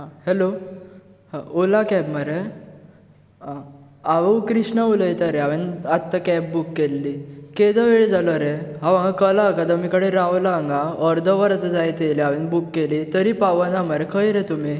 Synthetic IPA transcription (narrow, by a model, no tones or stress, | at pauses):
ɦahelo | haolakɛbməɾe | ã | aʋəwkɾiʂɳəuləjt̪əɾeaʋenat̪ːakɛp̚bukːelːiked̪əʋeɭed͡zaləɾeɦaʋãŋɡakəlaːkad̪əmikəɽeɾawlaːŋɡaəɾd̪ʱəʋəɾt͡s̪əd͡zajt̪eleaʋenbukːelit̪əɾipaʋənaməɾekʰəjɾet̪umi